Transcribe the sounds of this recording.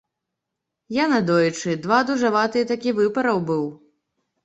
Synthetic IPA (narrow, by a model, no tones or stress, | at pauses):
janad̪ɔjt͡ʂɨd̪vad̪uʐavat̪ɨjɛt̪akʲivɨpɐɾɐwbɨw